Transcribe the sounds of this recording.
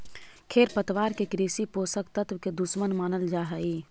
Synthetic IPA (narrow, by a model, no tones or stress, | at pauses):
kʰeːɾpət̪ʋaːɾkekɾiːsipoːsəkt̪ət̪wked̪ʊsmənmaːnəld͡ʒaːɦəːiː